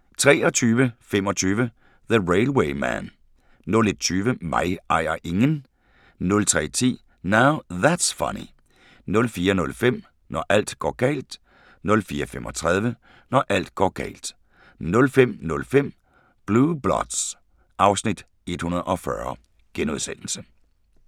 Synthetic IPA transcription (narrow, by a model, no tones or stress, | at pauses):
t͡sʰʁɛ̰ːɒ̽t͡sʰyːʋəfemɒ̽t͡sʰyːʋə | ðəʁeɪlweɪmæ̰n | nɔ̽led̥̚t͡sʰyːʋəmɑ̈ɪʔɑ̈ɪ̰ɐʔe̝ŋən | nɔ̽lt͡sʰʁɛ̰ːt͡sʰḭː | naʊðædsfʌ̰nḭ | nɔ̽lfiːɐnɔ̽lfem̰ | nɒʔæl̰d̥ɡ̥ɒ̰ːɡ̥ɛ̰ːld̥ | nɔ̽lfiːɐfemʔɒt͡sʰʁað̞ˠʋə | nɒʔæl̰d̥ɡ̥ɒ̰ːɡ̥ɛ̰ːld̥ | nɔ̽lfem̰nɔ̽lfem̰ | b̥luːb̥lɒ̰d̥s | ɑ̈ʊsnid̥ | e̝d̥hunɐðˠɒ̽fɶɐ | ɡ̥enuðˠsen̰l̩sə